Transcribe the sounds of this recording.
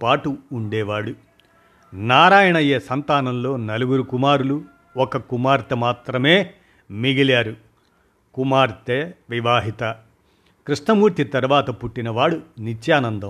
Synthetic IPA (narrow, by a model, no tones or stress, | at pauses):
paːʈuːɳɖɛːʋaːɽu | naːɾaːjɐɳɐjeːsɐnt̪aːnɐmlo̞ːnɐluɡuɾukumaːɾulu | ɔkɐkumaːɾt̪ɐmaːt̪ɾɐme̞ː | miɡiljaːɾu | kumaːɾt̪eʋiʋaːɦit̪ɐ | kɾuʂnɐmuːɾt̪it̪ɐɾuʋaːt̪ɐpuʈːinɐʋaːɽunit͡ʃːjaːnɐnd̪ɐm